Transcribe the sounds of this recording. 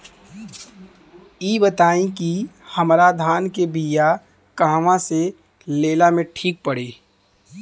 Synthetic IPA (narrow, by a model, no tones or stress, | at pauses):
iːbət̪aːĩkihəmɾad̪ʱaːnkebija | kaːʋãse | leːlamẽʈʰiːk̚pəɽeː